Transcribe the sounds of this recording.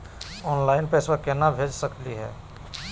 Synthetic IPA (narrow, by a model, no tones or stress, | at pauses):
ɔːnlaːɪnpeswakenabʱed͡ʒsəkliɦɛ̰ː